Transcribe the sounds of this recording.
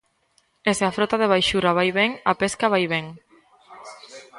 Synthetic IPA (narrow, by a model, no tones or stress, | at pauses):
eseafɾot̪aðeβ̞ajʃuɾaβ̞ajβeŋapeskaβajβeŋ